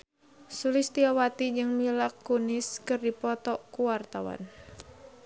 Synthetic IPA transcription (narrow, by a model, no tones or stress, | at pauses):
sulɪst̪iawat̪id͡ʒɨŋmilakːunɪskɨrdipɔt̪ɔʔkuwart̪awa̰n